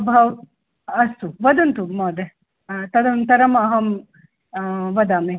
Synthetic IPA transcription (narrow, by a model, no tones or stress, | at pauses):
bʱɐʋ | ɐst̪uʋɐd̪ɐnt̪umoːd̪e | t̪ɐd̪ɐmt̪ɐɾɐmɐɦɐm | ʋɐd̪aːme